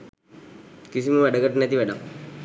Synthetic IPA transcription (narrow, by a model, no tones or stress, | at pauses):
kisiməʋæɖəɡəʈənɛt̪iʋæɖaŋ